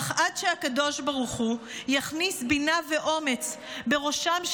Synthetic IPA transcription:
χʔadʃeakado̞ʃbaʁuχujaχnisbinave̞ʔo̞me̞t͡sbe̞ʁo̞ʃamʃ

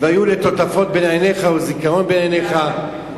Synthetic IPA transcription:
veajulet̪o̞t̪afo̞t̪̚benajneχaozikaʁo̞nbenajneχa

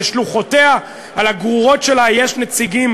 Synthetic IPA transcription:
ʃluχo̞te̞a | alaɡʁuʁo̞tʃe̞lajeʃnet͡siɡim

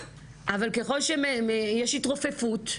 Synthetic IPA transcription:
ʔavalke̞χo̞lʃememejeʃitʁofe̞fut

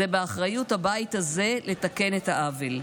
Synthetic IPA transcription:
ebeaχʁajuthabait̪haze̞le̞take̞ne̞thaʔavel

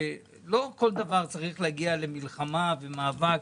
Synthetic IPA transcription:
e | lo̞ko̞ld̪avaʁt͡saʁiχleaɡiale̞milχamavemaːvak

